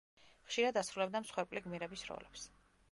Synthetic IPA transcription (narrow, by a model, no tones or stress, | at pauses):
χʃiɾad̪asɾulɛbd̪amsχwɛɾpʼliɡmiɾɛbisɾɔ̰lɛps